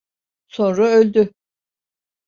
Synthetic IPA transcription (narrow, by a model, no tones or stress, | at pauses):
sõ̞nɾaølʲd̪y